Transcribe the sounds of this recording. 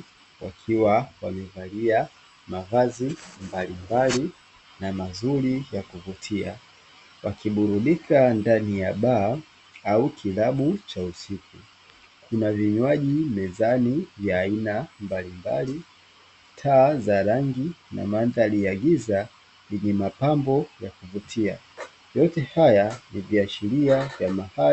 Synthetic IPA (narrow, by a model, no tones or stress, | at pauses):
wa̰kʰiwawamɛvalia | mavazimbalimbali | namazuɾijakuvutʰia̰ | wakiɓuɾuɗikʰandanijaɓaː | aukʰilaɓut͡ʃausiku | kunaviɲwaʄimɛzanivjaːinambalimba̰li | tʰaːzaɾaŋɡina̰manðaliaɡiza | liɲimapambɔjakuvutʰia̰ | jɔtɛhajaniviaʃiɾiavjamaha